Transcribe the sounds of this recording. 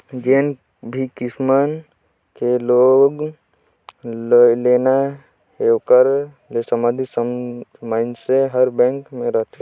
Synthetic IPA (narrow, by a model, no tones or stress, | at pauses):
d͡ʒeːn | bʱikɪsmən | keloːɡ | leːna | ɦekəɾ | lesəmə̃d̪ʱis | maɪnseɦəɾbɛ̃ːŋkmẽɾəɦt̪ʰe